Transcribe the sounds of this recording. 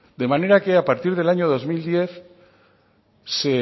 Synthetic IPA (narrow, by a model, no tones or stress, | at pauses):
d̪emãne̞ɾakeapaɾt̪iɾðe̞laɲoð̞o̞zmild̪je̞θ | se